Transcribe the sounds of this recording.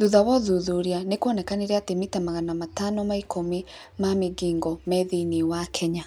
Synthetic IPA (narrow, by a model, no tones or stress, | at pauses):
ðuðawɔðuðuɾianekwɔnɛkaneɾɛatemitamaɣanamatanɔmaikʰomi | mameɡiːŋɡɔmɛðinewakʰɛɲa